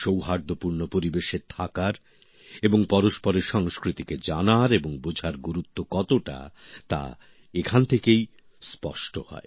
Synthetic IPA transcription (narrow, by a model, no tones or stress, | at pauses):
ʃowɦaɾd̪ʱopuɾnopoɾibeʃet̪ʰakaɾ | eboŋpɔɾoʃpɔɾeɾʃɔŋskɾit̪iked͡ʑanaɾeboŋbod͡ʑʱaɾɡuɾut̪ːokɔt̪oʈa̰t̪a̰ | ekʰant̪ʰekej | spɔ̰ʃʈohɔ̰e